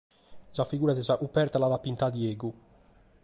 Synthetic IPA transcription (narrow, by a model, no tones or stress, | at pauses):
zafiɡuːɾat̪ɛzaʔupɛɾt̪alaðapint̪ad̪jɛːɡu